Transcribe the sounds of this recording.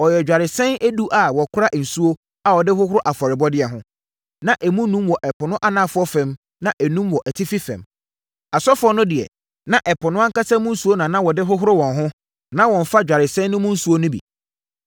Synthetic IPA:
ɔ˨jɛ˨d͡ʑᶣa˨ɾɪ˨sɛ̃˦næ˦du˦ʔa˨wɔ˨kʰʊ˦ɾa˦ʔn̩˨su˦o˦ | a˨wɔ˨dɪ˦hʊ˦ɦʊ˦ɾʊ˦ʔa˨fɔ˨ɾɪ˨bɔ˦dɪ˦ɛ˨ɦʊ̃˦ | nã˦ʔɛ˨mũ˦nũ˦mwɔ˨ʔɛ˨pʰʊ˨nʊ̃˦ʔa˦nãː˦fʊ˦ɔ˦fɛ̃˨m | nã˦ʔɛ˨nũ˦mwɔ˨ʔɛ˨tʰɪ˦fi˦fɛ̰̃˨m | a˨sɔ˦fʊ˦ɔ˦nʊ̃˦dɪ˨ɛ̰˨ | nã˨ʔɛ˨pʰʊ˨nʊ̃˦a˦ŋ˦ka˦sɛ̃˦mʊ̃˦n̩˦su˦o˦nã˨nã˦wɔ˨dɪ˦ɦʊ˦ɦʊ˦ɾʊ˦wɔ̃˨nɦʊ̃˦ | nã˦wɔ̃˨ɱ˨fa˦d͡ʑᶣa˨ɾɪ˨sɛ̃˦nːʊ̃˦mʊ̃˦n̩˦su˦o˦nʊ̃˦bḭ˨

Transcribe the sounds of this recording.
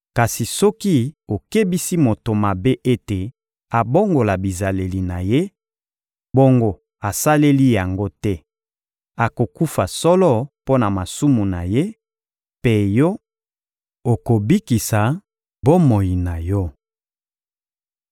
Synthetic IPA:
ka˨si˨sɔ˦ki˦o˨ke˦bi˦si˦mo˨to˨ma˨be˦ʔe˦te˨ | a˨bo˦ŋɡo˨la˨bi˨za˨le˨li˨na˨je˦ | bo˦ŋɡo˦ | a˨sa˦le˦li˦ja˨ŋɡo˦tɛ˦ | a˨ko˨ku˦fa˨sɔ˦lɔ˦po˦na˨ma˨su˦mu˨na˨je˦ | pe˦jɔ˦ | o˨ko˨bi˦ki˨sa˨ | bo˦mo˨ji˨na˨jɔ˦

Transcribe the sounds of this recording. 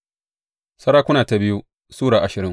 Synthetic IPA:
sɐ˦ɽaː˦kʷʊ˦naː˨ta˨bɪ˦ju˦ | suː˦ɽaː˨ʔa˨ʃɪ˨ɾɪ˦

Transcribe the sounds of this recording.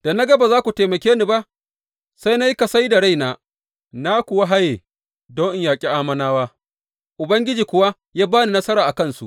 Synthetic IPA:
d̥a˨na˦ɡɐ˦ba˨zaː˦kʷu˨teː˨mɐ˨kʲeː˦ni˦ba˦ʔ | sa˦jna˦ji˦ka˨sa˦jda˨ɽa˦˨jnaː˨ | na˦kʷʊ˨wa˦ɦa˦jeː˨ | dɔ˦ŋʔɪ˦ŋjaː˨kʲʼi˦ʔaː˦mɐ˦naː˦waː˦ | ʔʊ˨bɐ˦ŋɡʲɪ˦d͡ʒiː˨kʷʊ˨wa˦ | jaː˦baː˦ni˨nɐ˦sɐ˦ɾaː˨ʔa˨kɐ˦˨nsu˨ʔ

